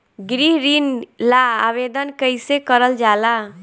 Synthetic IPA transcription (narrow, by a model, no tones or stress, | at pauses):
ɡɾiɦɾinlaːʋed̪ənkəjsekəɾəld͡ʒala